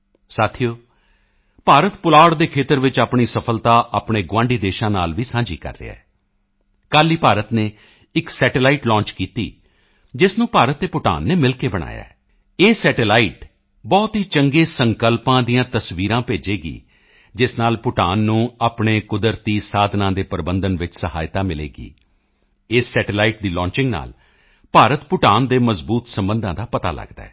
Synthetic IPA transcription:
saːt̪ʰijoː | paːɾət̪pʊlaːɽd̪eːkʰeːt̪əɾʋɪt͡ʃaːpɳiːsəpʰəlt̪aːʔaːpɳeːɡwãːɳɖiːd̪eːʃãːna̰ːlʋiːsãːɲd͡ʒḭːkə̰ɾːḛːa̰ɛː | kaːlːiːpaːɾət̪neː | ɪksɛːʈelaːiːʈlɔ̃ːnt͡ʃkiːt̪ḭː | d͡ʒɪsnũːpaːɾət̪ːeːpʊʈa̰ːnːeːmɪlkeːbəɽ̃a̰ːja̰ːɛ | eːsɛːʈelaːiːʈ | bɔːt̪ɦiːt͡ʃəŋɡeːsəŋkəlpãːd̪ijãːt̪əsʋiːɾãːpeːd͡ʒeːɡḭː | d͡ʒɪsnaːlpʊʈaːnːũːaːpɳeːkʊd̪əɾt̪iːsaːd̪ʱnãːd̪eːpəɾbənd̪ənʋɪt͡ʃsəhaːjt̪aːmɪlḛːɡḭː | ɪsːɛːʈelaːiːʈ̚d̪iːlɔ̃ːɲt͡ʃɪ̃ŋɡna̰ːl | paːɾət̪pʊʈaːnd̪eːməzbuːt̪səmbənd̪ãːd̪aːpət̪a̰ːlʔə̰ɡd̪a̰ɛː

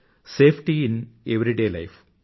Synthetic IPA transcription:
seːfʰʈiineʋɾiɖeːlɐɪf

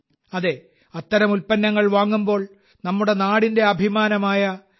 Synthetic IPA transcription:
ɐðe | ɐt̪ːɐɾɐmulpɐnːɐŋːɐɭʋaːŋːumbo̞ːɭ | nɐmːuɽe̞naːɽinde̞ɐbʱimaːnɐmaːjɐ

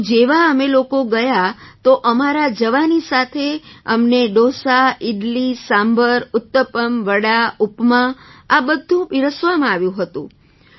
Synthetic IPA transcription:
d͡ʒeʋaəmelokoɡəjat̪oʔəmaɾad͡ʒəʋanisat̪ʰeəmneɖosaɪɖlisãmbʱəɾʊt̪ːəpəmʋəɽaupmãabəd̪ʱũbɪɾəsʋamãaʋjũɦət̪ṵ̃

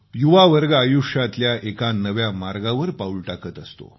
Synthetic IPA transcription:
juʋaʋəɾɡaːjuʂat̪ljaʔekanəʋjamaɾɡaʋəɾpauɭʈakət̪əst̪o̰

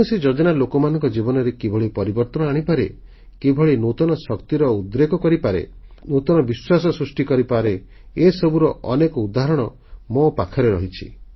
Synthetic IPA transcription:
used͡ʒɔd͡ʒɔnalokɔmanɔŋkɔd͡ʒibɔnɔɾekebʱɔɭipɔɾibɔɾt̪ɔnɔaɽ̃ipaɾe | kebʱɔɭinot̪ɔnɔsɔkt̪iɾɔud̪ɾekɔkɔɾipaɾḛnot̪ɔnɔbiswasɔsɾusʈikɔɾipaɾe | esɔbuɾɔɔnekɔud̪aɦɾɔɽ̃ɔ | mopakʰɔɾeɾɔɦit͡ʃʰḭ

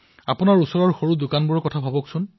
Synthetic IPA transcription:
apʊnaɹusɔɹɔɹxoɹudʊkanbʊɹɔkɔtʰabʱabɔksʊn

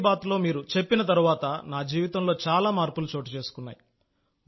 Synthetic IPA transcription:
baːt̪lo̞ːmiːɾut͡ʃe̞pːinɐt̪̬ɐɾuʋaːt̪ɐnaːd͡ʒiːʋit̪ɐmlo̞ːt͡ʃaːlaːmaːɾpulut͡ʃo̞ːʈit͡ʃe̞ːsu̥kunːa̰ːji

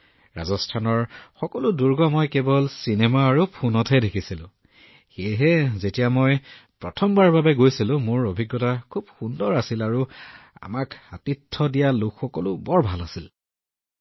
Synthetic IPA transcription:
ɹa̰zɔstʰanɔɹxɔkɔlʊduɹɡɔmɔjkebɔlsinɛmaːɹupʰunɔtʰɛdekʰisilʊ̰̃ | xejɦɛzetijamojpɹɔtʰɔmbaɹbabɛɡojsilʊ̃moɹobʱiɡjɔtakʰubxundɔɹasilaɹua̰makatitʰːɔdijalʊkxɔkɔlʊbɔɹbʱalasil

